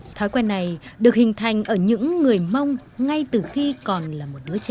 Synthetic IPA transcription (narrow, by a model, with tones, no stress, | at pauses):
t̪ʰɔ˨˦jkwɛ˧nːa˨˩jɗɨ˨˩ək̚hï˨˩ŋ̟t̪ʰa˨˩jŋ̟ʔəː˧˩ɲɨ̰˧˥ŋːɨ˨˩əjma˧wŋ͡mŋa˧jt̪ɨ˨˩xi˧kɔ˨˩nlaː˨˩mo˨˩t̚ɗɨ˨˦ət͡ɕa˧